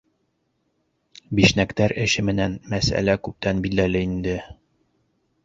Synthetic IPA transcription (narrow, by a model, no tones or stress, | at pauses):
biʃnækt̪æɾɘ̆ɕɘmɘ̆nænmæsæ̰lækʉp̚t̪ænbild̪ælɘind̪ɘ